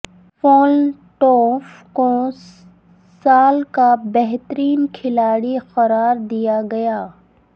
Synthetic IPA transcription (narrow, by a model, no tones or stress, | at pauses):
fɔːl | ʈɔːfko | saːlkabɛɦt̪əɾiːnkʰɪlaːɽixɐɾaːɾd̪ijaɡɐjaː